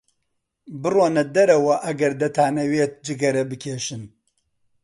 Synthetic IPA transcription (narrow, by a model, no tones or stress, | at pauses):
bɨroːnɐd̪ɐɾɐwɐʔɐɡɐɾd̪ɐt̪ʰaːnɐweːt̪̚d͡ʒɨɡɐɾɐbɨkʰeːʃɨn